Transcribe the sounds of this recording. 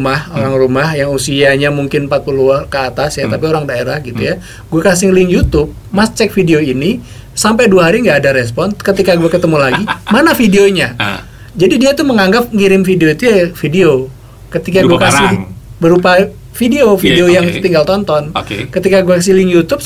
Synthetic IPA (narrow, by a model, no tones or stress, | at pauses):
mahoɾaŋrumahjaŋusiaɲamuŋkɪnmpat̪̚pulukəat̪asjat̪apioɾaŋdaeɾahɡit̪uja | ɡuakas̬ɪhlɪŋjut̪ʊp̚mast͡ʃɛk̚fideoini | sampajduaɦaɾiŋɡaːdaɾespɔnskət̪ikaɡuakət̪əmulaɡimanafideoɲa | d͡ʒadidiat̪uməŋaŋɡap̚ŋiɾɪmfideoit̪ujafideo | kət̪ikaɡuakasɪhbəɾupa | fideofideojaŋt̪iŋɡalt̪ɔnt̪ɔnkkət̪ikaɡuakas̬ɪhlɪŋjut̪ʊp̚